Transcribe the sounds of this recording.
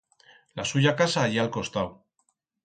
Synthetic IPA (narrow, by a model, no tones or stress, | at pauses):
lasuʝakasaːʎialko̞st̪aw